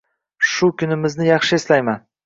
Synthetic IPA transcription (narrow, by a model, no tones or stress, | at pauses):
ʃʊkʰʲʊnɪmɪznɪjɑχʃɪeslajman